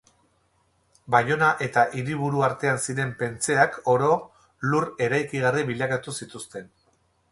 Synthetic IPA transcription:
bajo̞naʔe̞t̪aʔiɾiβ̞uɾuaɾt̪e̞ansiɾe̞mpe̞nt͡se̞ako̞ɾo̞ | lure̞ɾajkiɣ̞ariβiʎakat̪usit̪ust̪e̞n

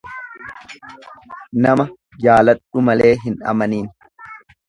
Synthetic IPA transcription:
nɐmɐ | jaːlɐt̪ʼːʊmɐle̞ːɦɪnɐ̰mɐniːn

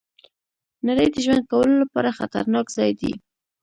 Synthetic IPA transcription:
naɾəjd̪əʒwand̪̚kawəlolapɑɾaxat̪a̰ɾnɑkzɑjd̪ḭ

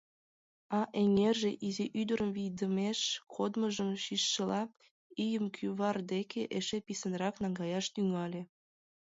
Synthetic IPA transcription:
ɑʔeŋerʒeʔiziʔyd̪əɾəmvijd̪əmeʃkʰod̪məʒəmʃiʃːəlɑ | ijəmkʰyβɑrd̪ekʰeʔeʃepisənrɑknɑŋɡɑjɑʃt̪yŋɑlʲe

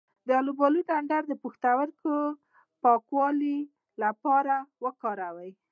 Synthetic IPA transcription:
d̪əalubɑluɖaɳɖaɾd̪əpuxt̪awəɾkə | pɑkwɑli | lapɑɾawəkɑɾawəj

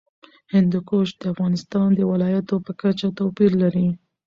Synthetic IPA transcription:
hɪnd̪ukoʃd̪̥əafɣɑnɪst̪ɑnd̪əwɪlɑjat̪opəkat͡ʃat̪apiɾlaɾi

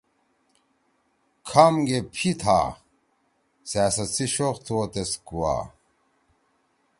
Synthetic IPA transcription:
kʰɐmɡepʰit̪ʰa̰ː | saːsɐt͡sʰiɕoqt̪ʰuot̪eskuwa̰ː

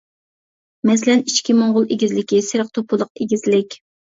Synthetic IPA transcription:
mɛs̬ɪlɛnit͡ʃkʲimoɴʁʊlˠeɡʲizlɪkʲisɪɾəqt̪ʰopʰʊlˠəq̚eɡʲizlɪkʲ

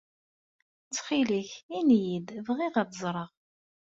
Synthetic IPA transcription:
t͡sːχiliçinjid̪vʁiʁæt̪zˤɾˤəʁ

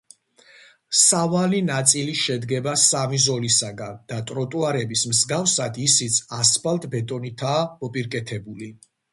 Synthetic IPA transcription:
savalinat̪sʼiliʃɛd̪ɡɛbasamizɔlisaɡand̪̥at̪ʼɾɔt̪ʼuaɾɛbismzɡafsad̪isit̪sʰaspʰalt̪ʼbɛt̪ʼɔnit̪ʰaːmɔpʼiɾkʼɛt̪ʰɛbuli

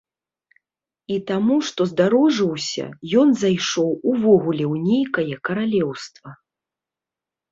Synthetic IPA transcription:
it̪amuʂt̪ɔzd̪aɾɔʐɨwsʲɐ̰jɔnzajʂɔwuvɔɣulʲɛwnʲejkɐjɐkɐɾalʲɛwst̪vɐ

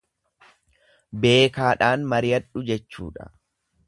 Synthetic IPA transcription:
be̞ːkaːᶑaːnmɐɾɪjɐᶑʊd͡ʒɛt͡ʃːṵːᶑɐ̥̰

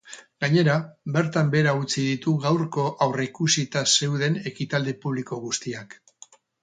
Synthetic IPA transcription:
ɡaɲe̞ɾabe̞ɾt̪ambe̞ɾaut͡sið̞it̪uɣawɾko̞ʔawrekusit̪ase̞wðe̞ne̞kit̪ald̪e̞puβ̞liko̞ɣ̞ust̪iak

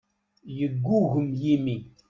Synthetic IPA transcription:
jəɡʷːuɣəmjimi

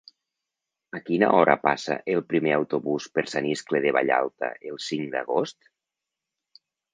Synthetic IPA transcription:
akina̰ɔɾʔa̰pasa̰ʔelˠpɾimeawt̪oβuspeɾsaniskleðeβ̞a̰ʎa̰lˠt̪a̰ʔelˠsiŋd̪a̰ɣost̪

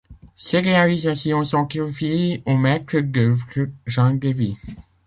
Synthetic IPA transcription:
seʁealizasjɔ̃sɔ̃kɔ̃fjeomɛt̪ɾəɡəvʒɑ̃ɡevi

